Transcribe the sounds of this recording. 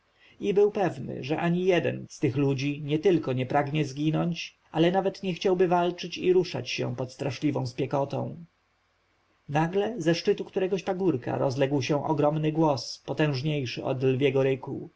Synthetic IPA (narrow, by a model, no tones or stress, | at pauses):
ibɘwpɛvnɘ̰ʐɛʔaɲijɛd̪ɛ̰nst̪ɘxlud͡ʑiɲɛt̪ɘlkɔɲɛpɾaɡɲɛzɡʲinɔɲt͡ɕʔalɛnavɛt̪ɲɛxt͡ɕawbɘvalt͡ʂɘt͡ɕiɾuʂa̰t͡ɕɕɛ̰̃w̃pɔt̪st̪ɾaʂlʲivɔ̃w̃spʲjɛkɔt̪ɔ̰̃w̃ | naɡlɛzɛʂt͡ʂɘt̪ukt̪uɾɛɡɔɕpaɡuɾka̰ɾɔzlɛɡwɕɛ̃ʔɔɡɾɔmnɘɡwɔspɔt̪ɛ̃w̃ʐɲejʂɘ̰ʔɔ̰d̪lvʲjɛɡɔɾɘku